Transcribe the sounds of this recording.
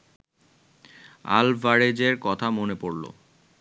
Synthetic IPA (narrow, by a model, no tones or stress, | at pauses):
a̰lbaɾed͡ʑeɾkɔt̪ʰamonepoɾlo̰